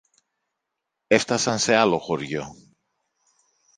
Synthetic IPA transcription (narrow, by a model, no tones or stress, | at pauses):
eft̪asansealoxoɾʝo